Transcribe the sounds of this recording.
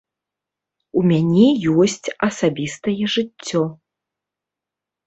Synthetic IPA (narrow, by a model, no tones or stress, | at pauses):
umʲanʲɛjɔsʲt͡sʲɐsabʲist̪ɐjɛʐɨt͡sʲːɔ